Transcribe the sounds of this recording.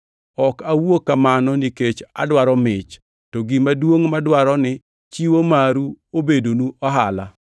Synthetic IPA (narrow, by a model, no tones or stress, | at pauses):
ɔkawokamanɔniket͡ʃa̰dwaɾɔmɪt͡ʃ | tɔɡimadwoŋmadwaɾɔnɪ | t͡ʃiwomaɾuobedonuɔɦala